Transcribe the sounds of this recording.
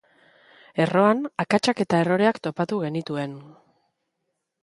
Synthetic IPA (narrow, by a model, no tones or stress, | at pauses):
e̞ro̞anakat͡ʃake̞t̪ae̞ro̞ɾe̞akt̪o̞pat̪uɣe̞nit̪ue̞n